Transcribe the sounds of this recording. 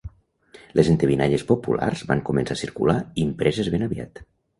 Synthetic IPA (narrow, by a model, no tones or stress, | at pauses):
lezent̪eβinaʎespopṵlʔa̰rzβaŋkumensasiɾkṵlaimpɾezezβenəβia̰t̪